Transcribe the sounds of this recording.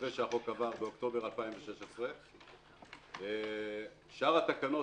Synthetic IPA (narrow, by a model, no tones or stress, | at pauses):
veʃeaχokavaʁbeokt̪o̞be̞ʁalpaimveʃeʃesʁe | e | ʃaʁat̪akano̞